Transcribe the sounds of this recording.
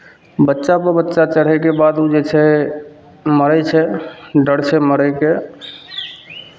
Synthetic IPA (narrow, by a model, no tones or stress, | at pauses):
bətːʃapəɾbətːʃat͡ʃəɽ̤ɛkebad̪ud͡ʒet͡ʃʰɛ | məɾɛt͡ʃʰɛɖəɽt͡ʃʰɛməɾɛke